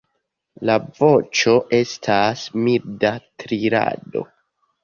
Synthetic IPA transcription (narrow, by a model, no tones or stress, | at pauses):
lavo̞t͡ʃo̞ʔe̞stʰasmiɾdatɾiɾa̰do̞̰